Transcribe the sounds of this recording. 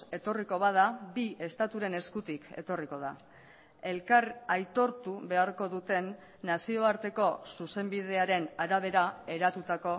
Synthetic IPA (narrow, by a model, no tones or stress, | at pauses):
e̞t̪o̞riko̞β̞að̞abie̞st̪at̪uɾe̞ne̞skut̪ike̞̰t̪o̞riko̞ð̞a̰ | e̞lkarajt̪o̞ɾt̪uβe̞aɾko̞ðut̪e̞nː | asio̞aɾt̪e̞ko̞suse̞mbiðe̞aɾe̞naɾaβ̞e̞ɾae̞ɾat̪ut̪ako̞